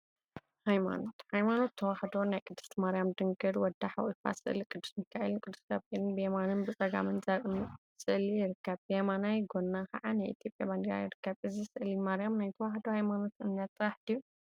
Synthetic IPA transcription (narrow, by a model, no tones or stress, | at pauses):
hajma̰not̪hajmano̞t̪ʰːɐwaħd̪o̞najkʼɨd̪ːust̪maɾijamd̪ɨŋɡɨɾwɔd̪ːaħa̰wifa̰sɨ̰ʔlikʼɨd̪ːu̥smɨkʰːaʔɨ̰lɨnkʼɨd̪ːu̥skaβelɨnbɨemanɨnbɨt͡sʼɐɡa̰mɨnzɐɾm | sɨʔlijɪɾɨkːɐβbemanajɡo̞nːakɐʕanajʔit̪ʰjo̞pʼjaband̪iɾa̰jɪɾɨkːɐβʔɨzisɨʔlimaɾjamnajt̪ʰɐwaħd̪ohajmano̞t̪ɨniat̪ʼːɐwaħd̪ijːu